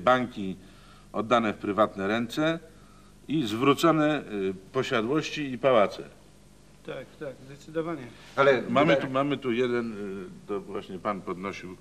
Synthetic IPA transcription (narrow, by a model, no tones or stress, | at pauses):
baŋkʲi | ɔd̪ːanɛfpɾɘvat̪nɛɾɛnt̪sɛ | izvɾut̪sɔnɛpɔɕad̪wɔɕt͡ɕiːpawat̪sɛ̰ | t̪akt̪akzd̪ɛt̪sɘd̪ɔvaɲɛ | alɛmamɘt̪umamɘt̪ujɛd̪ɛnt̪ɔvwaɕɲɛpanpɔd̪nɔɕiw